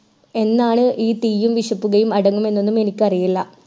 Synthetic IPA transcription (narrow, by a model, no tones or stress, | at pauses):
e̞nːaːɳɨʔiːt̪iːjumʋiʂɐpːuɣɐjumɐɽɐŋːume̞nːo̞nːume̞nikʲːɨɐrijilːɐ